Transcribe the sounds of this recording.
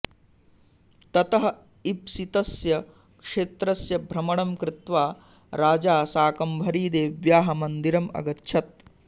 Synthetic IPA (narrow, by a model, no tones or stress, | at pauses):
t̪ɐt̪ɐɦɐ | ipsit̪ɐsjɐ | kʂeːt̪ɾɐsjɐbʱɾɐmɐɳɐmkɾɪt̪ʋaː | ɾaːd͡ʒaːsaːkɐmbʱɐɾiːd̪eːʋjaːɦɐmɐnd̪iɾɐmɐ̰ɡɐtːʃʰɐt̪̚